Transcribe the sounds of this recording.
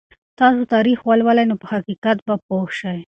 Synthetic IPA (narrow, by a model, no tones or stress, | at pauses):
t̪ɑsot̪ɑɾixwalwalajnopəhaqiqat̪̚bapoxʃaj